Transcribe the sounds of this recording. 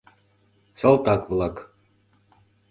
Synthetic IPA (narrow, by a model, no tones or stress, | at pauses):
sɑlˠt̪ɑkβlˠɑk